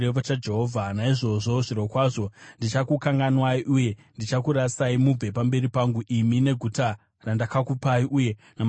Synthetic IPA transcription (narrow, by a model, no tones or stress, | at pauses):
eʋot͡ʃad͡ʒe̞ɦoːvʱanaiʐo̞ʐo̞ʐiɾokwaʐo̞ndit͡ʃakukaŋɡanwaiʔuje̞ndit͡ʃakuɾasaimub͡ve̞pambe̞ɾipaŋɡuʔimine̞ɡʱuta | randakakupaiʔuje̞ | nam